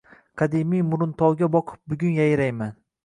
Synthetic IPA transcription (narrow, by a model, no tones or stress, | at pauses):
qʰɑd̪imijmʊɾʊnt̪ʰɒwɡʲabɒqʰɨ̥p̚bʊɡʲʊnjajɾajman